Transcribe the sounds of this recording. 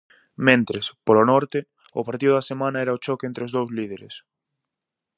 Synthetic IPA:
mẽnt̪ɾespolonɔɾt̪ɪ | ʊpaɾt̪iðʊðasemãnɐɛɾɐot͡ʃɔkent̪ɾeozðowzlið̞eɾḛs

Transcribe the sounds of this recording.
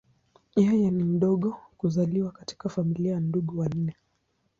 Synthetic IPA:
jajɛnim̩ɗɔɠɔkuzaliwakati̥kafamilianduɠuwan̩nɛ

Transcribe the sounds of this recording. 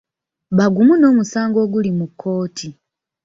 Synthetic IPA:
βaɡumuno̞ːmusaːŋɡo̞ːɡulimukʰːo̞ːtʰi

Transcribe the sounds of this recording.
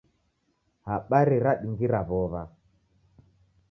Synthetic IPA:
haɓaɾiɾaɗiŋɡiɾaβɔβa

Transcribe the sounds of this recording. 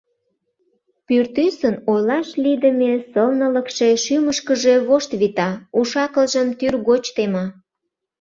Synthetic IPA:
pyrt̪ysənojlɑʃlid̪əmʲesəlnələkʃe̽ʃyməʃkəʒe̽βoʃt̪βit̪ɑuʃɑkəlʒəmt̪yrɣot͡ɕt̪emɑ

